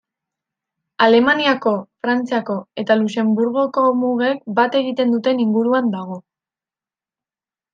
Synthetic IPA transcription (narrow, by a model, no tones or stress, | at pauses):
ale̞maniako̞fɾant͡siako̞e̞t̪aluse̞mbuɾɣ̞o̞ko̞muɣe̞k̚bat̪e̞ɣ̞it̪e̞nd̪ut̪e̞niŋɡuɾuand̪aɣ̞o̞